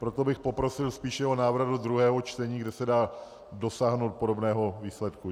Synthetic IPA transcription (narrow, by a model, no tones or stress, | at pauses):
pɾo̞t̪o̞bɪxpo̞pɾo̞sɪlspiːʃjɛɦo̞naːvɾdod̪ɾuɦɛːɦo̞t͡ʃt̪ɛɲiːɡdɛsɛdaː | do̞saːɦnowt̪̚po̞do̞bnɛːɦo̞viːslɛt̪ku